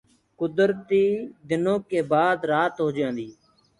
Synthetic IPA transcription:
kʊd̪ɾt̪iːd̪ɪnõːkeːbaːd̪ɾaːt̪ɦoːd͡ʒãːnd̪iː

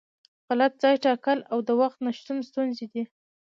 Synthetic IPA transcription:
ɣalat̪̚zɑjʈɑkəlawd̪əwaxt̪naʃt̪unst̪unzed̪i

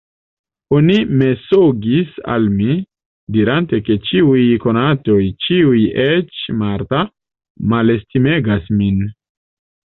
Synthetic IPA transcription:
onime̞soɡisa̰lmi | diɾante̞ke̞t͡ʃiujko̞nato̞jt͡ʃiujet͡ʃmaɾta | male̞stime̞ɡasmin

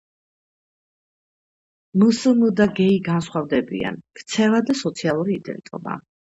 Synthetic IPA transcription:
məsəmd̪aɡɛiɡansχwavd̪ɛbḭa̰nkʰt̪sʰɛvad̪asɔt̪sʰialˠuɾiːd̪ɛ̰lit̪ʼɔ̰ba̰

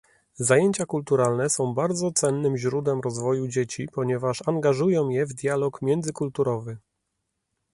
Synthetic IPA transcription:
zajeɲt͡ɕakult̪uɾalnɛsɔ̃w̃baɾd̪zɔt̪sɛnːɘmʑɾud̪wɛmɾɔzvɔjud͡ʑet͡ɕipɔɲɛvaʂaŋɡaʐujɔ̃w̃jɛvd̪ʲjalɔkmʲjɛnd̪zɘkult̪uɾɔvɘ

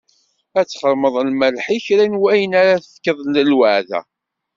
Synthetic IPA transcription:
æt͡sːχəɾməðˤlməlħiçɾænwæjənaɾaθəθkːəðˤnəlwəʕðæ̰

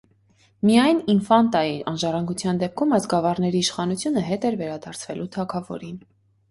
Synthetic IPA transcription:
mijɑjninfɑnt̪ɑjiʔɑnʒɑrɑŋɡut͡sʰjɑnd̪ɛp̚kʰumɑsɡɑvɑrnɛɾiːʃχɑnut͡sʰjunəɦɛt̪ɛɾvɛɾɑd̪ɑɾt͡sʰvɛlʔut̪ʰɑkʰɑvɔ̰ɾin

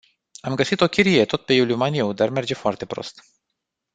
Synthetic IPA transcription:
amɡəsit̪o̞kʲiɾijet̪o̞t̪̚pe̞juliumaniewd̪arme̞rd͡ʒe̞foart̪e̞pɾo̞̰st̪

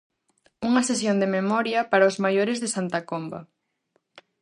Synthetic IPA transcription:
uŋɐsesjond̪ememɔɾjɐpaɾaʊzmajoɾɪzðɪsant̪akombɐ̰

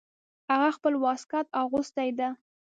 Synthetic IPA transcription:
haɣaxpəlwɑskɑt̪ɑɣʊst̪ajd̪a

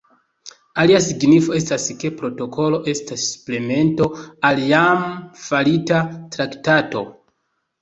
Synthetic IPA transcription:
aliasiɡnifo̞e̞staske̞pɾo̞to̞kʰo̞lo̞ʔe̞stassple̞me̞nto̞aljamfalitatɾaktato̞

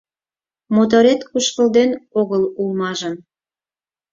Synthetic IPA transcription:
mot̪̬oɾet̪kuʃkə̆ld̪enoɣəlulmɑʒə̆n

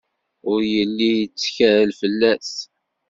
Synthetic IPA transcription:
ʊɾjəlːijət͡sːçæɾəlfəlːæs

